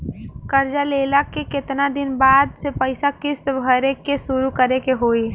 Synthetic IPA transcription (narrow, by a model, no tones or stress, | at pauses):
kəɾd͡ʒaleːlakekɪt̪nad̪ɪnbaːd̪sepəɪsakɪst̪bʱəɾekesʊɾukəɾekeɦoːi